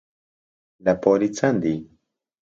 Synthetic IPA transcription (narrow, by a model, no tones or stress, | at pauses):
lapoɾit͡sand̪i